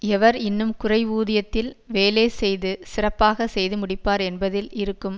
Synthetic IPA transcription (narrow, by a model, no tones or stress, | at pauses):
ɛʋɐɾɪnːɯmkʊrɐɪʋuːðɪjɐt̪ːɪlʋeːleːsɛjðɯsɪrɐpːaːɣɐsɛjðɯmʊɽɪpːaːɾɛnbɐðɪlɪɾɯkːɯm